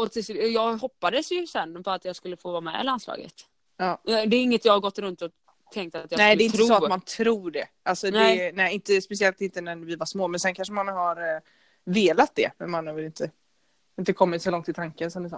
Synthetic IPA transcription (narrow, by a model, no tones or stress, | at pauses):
ɔt̪ɪsjɑːɡɦɔpːad̪əsjɵsɛnːpɔat̪jɑːskɵlːəfoːvɑːmɛ̰lanslɑ̰ːɡə̰t̪ | ɑːɛd̪ɛːɾɪŋːət̪jɑːhaɡɔt̪ːɾɵnt̪ɔ | t̪ʰːɛŋk̚t̪at̪jɑnsɛːd̪lɛɪɪt̪ɾuəsɔat̪mant̪ʰɾuːɖɛʔalsɔdnɛnɛɪɪnt̪əspɛs̬ɪɛlt̪ɪnt̪ənæɾvɪvaʂmoːmɛnsɛnkʰanʂəmanɦaɾ | veːlat̪̚d̪ɛ̰mɛnmanːɛːvɛlɪnt̪ʰə | ɪnt̪əkʰɔmːɪt̪sɔlɔŋt̪ɪt̪ʰaŋkənsɔmd̪ɛsɔ̰n